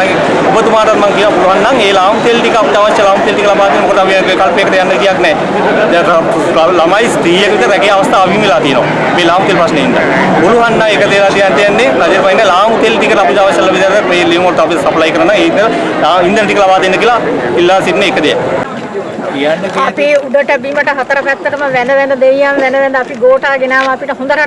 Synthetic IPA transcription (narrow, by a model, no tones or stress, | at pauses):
obət̪umaːʈaɾmaŋkijnoːbuluɦanːaŋeːlaːmut̪elʈikɐaput͡ʃaʋɐʃːɐlaːmut̪elʈikɐlabaːt̪iːnmokod̪ɐbi | kalpekət̪ejanːɐkijaknɛː | lamaːjisʈ̪ɾiːjəkəʋit̪ɾɛkejaʋɐst̪ʰaːbʱimilaːt̪ijeno̰ː | meːlaːmut̪elpɾɐsneind̪a̰ | ɡuluɦanːaŋekəd̪elaːt̪ijad̪ejanːenɐd͡ʒeɾpainːɛlaːmut̪elʈ̪ikəʈ̪apud͡ʒaʋəsɐlːɐʋid̪ɾt̪ɛt̪meːlejumɐɾut̪ːpisɐplajkəɾɐnːaeaind̪ənʈikəlabaːd̪enːəkilailːaːsiʈneːkəd̪ea | ɐpiuɖəʈəbiməʈəɦɐt̪əɾəpɛt̪ːəkəməʋɛnəʋɛnəd̪ejanʋɛnəʋɛnd̪ɐpiɡoːʈaːɡenaːmɐɐpiʈəɦũnd̪əɾa